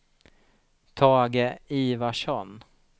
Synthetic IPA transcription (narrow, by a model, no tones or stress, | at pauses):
t̪ʰɑːɡəiːvaʂɔn